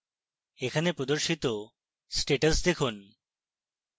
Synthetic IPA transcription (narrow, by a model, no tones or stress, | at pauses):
ekʰanepɾod̪oɾʃit̪o | sʈeʈəsd̪ekʰun